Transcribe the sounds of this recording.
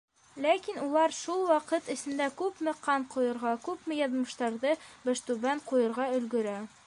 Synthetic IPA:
lækinulˠɑɾʃulˠwɑqɤt̪ɘ̆sɘ̆nd̪ækʉpmɘ̆qɑɴqujɤ̆ɾʁɑkʉpmɘjɒðmɤ̆ʃt̪ɑɾðɤbæʃt̪ʉbæɴqujɤ̆ɾʁɑɵ̆lɡɵ̆ɾæ

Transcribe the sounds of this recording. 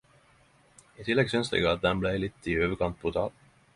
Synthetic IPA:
ɪt̪ʰɪlːɛɡsʏnslɛ̰ɡəɑt̪̚d̪ɛnblɛjlɪt̪ːɪøːvəɾkʰɑnt̪̚pʰɔt̪ʰɑ̰ːl

